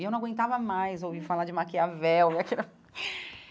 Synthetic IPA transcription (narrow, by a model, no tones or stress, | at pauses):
ewnɐ̃ɡwẽnt̪avɐmajzowvifalad͡ʒɪmakiavɛwmeakinɐ